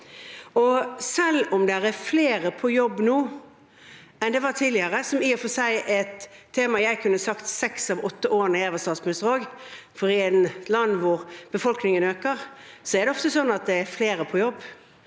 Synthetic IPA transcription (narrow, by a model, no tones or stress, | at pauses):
ɔsɛlːɔmd̪ɛɾæfleːɾəpʰɔjɔbːnuː | ɛnd̪ɛʋɑt̪ʰiːlɪəɾəsɔmiːɔfɔsæɪʔɛt̪ʰːeːmɑjæɪkʰʉnːəsɑkt̪sɛksɑʋɔt̪ːəʔoːɾənəeːʋəst̪ɑːsmʉsəʁoːɡ | fɔɾɪɛnlɑnːʋʊɾb̥əfɔlknɪŋənøːkəʁsɔæɾd̪ɛɔft̪əsɔnːɑt̪̚d̪ɛæɾfleːɾəpʰɔjɔbː